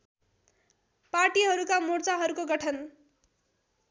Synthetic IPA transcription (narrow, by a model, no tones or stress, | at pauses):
parʈiɦʌɾukamurt͡saɦʌɾukoɡʌʈʰʌn